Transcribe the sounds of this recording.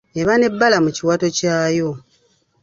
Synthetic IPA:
e̞βane̞bːalamuciwaːto̞caːjo̞

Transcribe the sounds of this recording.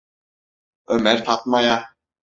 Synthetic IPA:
œmɛɾ̥θʰat̪maja

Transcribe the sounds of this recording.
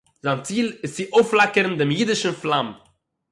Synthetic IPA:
zant͡siːlˠɪst͡sɪʔoʊflˠakəɾn̩dɪmjidɪʃn̩flˠam

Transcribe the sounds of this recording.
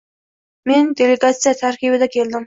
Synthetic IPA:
mend̪eleɡɑt̪sijɛt̪ʰæɾkʲibɪd̪ɛkʲʰeld̪ɪm

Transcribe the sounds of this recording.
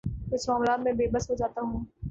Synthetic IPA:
ɪsmaːmlaːt̪mẽbeːbəsɦod͡ʒaːt̪aɦũː

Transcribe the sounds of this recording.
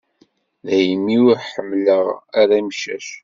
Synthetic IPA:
ðæjmːiʊɾħəmːləʁaɾamʃæ̰ʃ

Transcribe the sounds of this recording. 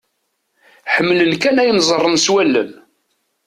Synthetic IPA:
ħəmːlənkænæjənzˤərˤːənswælːə̰n

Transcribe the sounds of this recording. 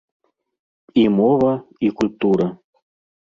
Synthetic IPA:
imɔvɐikulʲp̚t̪uɾə

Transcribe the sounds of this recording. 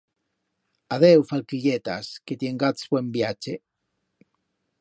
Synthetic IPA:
aðewfalkiʎet̪a̰sket̪jeŋɡat̪sbwembjat͡ʃe

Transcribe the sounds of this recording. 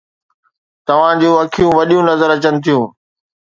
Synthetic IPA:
t̪ɐʋ̤ãd͡ʑũːɐkʰijũʋɐɗijũnɐzəɾɐt͡ɕənɪ̆t̪ʰijũː

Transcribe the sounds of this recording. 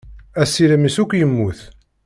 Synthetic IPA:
æsːiɾəmisukʷːjəmːuθ

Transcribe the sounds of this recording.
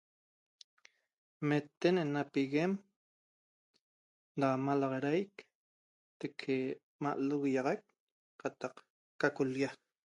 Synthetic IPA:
met̪ːenenapiɣem | damalɑʁɑɾajk | t̪ekʰe | ma̰ʔluɣijɑʁɑk̚ | qat̪ɑq | kakulja

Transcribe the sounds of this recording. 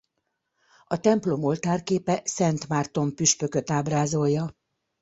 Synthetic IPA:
ɒt̪ɛmplo̞mo̞lt̪aːrkeːpɛsɛnt̪mart̪o̞mpyʃpø̞kø̞t̪aːbraːzo̞jːɒ

